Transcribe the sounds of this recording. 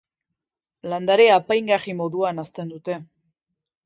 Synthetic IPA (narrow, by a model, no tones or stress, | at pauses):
land̪aɾeapajŋɡarimo̞ðuanast̪e̞nd̪ut̪e̞